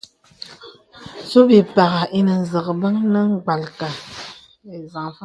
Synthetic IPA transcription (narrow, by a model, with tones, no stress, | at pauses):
so˦bi˨pa˨ɣa˨i˦nɨ˨n˨zɨ˨ɣbə˦ŋnɨ˦ŋ˦ɡ͡ba˨lka˨ | e˨za˨ŋfa˦